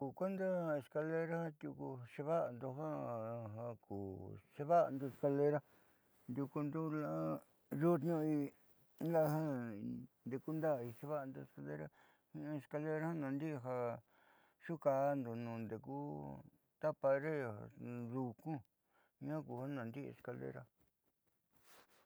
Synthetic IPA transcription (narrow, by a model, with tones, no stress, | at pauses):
ku˨kʷe˦nd̪a˦e˧ska˧le˦ɾa˦hã˦t̪ʲju˧ku˧ʃe˧βa˦˧nd̪o˧ɦa˦ɦa˧kuː˨ʂe˧βa˦˧nd̪o˧e˧ska˧le˧ɾa˦ | nd̪ʲju˧ku˧nd̪u˦la˦ | ɾu˦t̪ɲũ˦i˧ | la˦˧ɦã˦ | nd̪e˨ku˦nd̪a˦˨i˧ʂe˧βa˦a˧nd̪o˧e˧ska˧lḛ˦ɾa̰˦ | hĩ˦˧e˧ska˧le˧ɾa˦ha˦nã˨nd̪i˦˧ɦa˧ | ʂu˦ka˧nd̪o˨nũ˨nd̪e˨ku˦ | t̪a˦pa˧ɾe˦a̰˨ðu˧kũ˦ | ĩ˦ã˦ku˨ha˦nã˨nd̪i˦ḛ˧ska˧lḛ˦˧ɾa̰˧